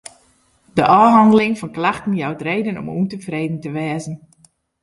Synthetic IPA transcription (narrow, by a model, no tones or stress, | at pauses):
dəʔɔːɦɑndəlɪŋfɔnklaxtən̩jawtrejdənɔ̰mṵntəfrejdən̩təʋɛːzən̩